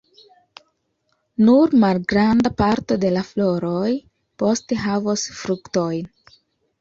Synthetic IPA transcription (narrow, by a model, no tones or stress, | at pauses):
nuɾmalɡɾandapaɾto̞de̞laflo̞ɾoj | po̞ste̞ɦavosfɾukto̞jn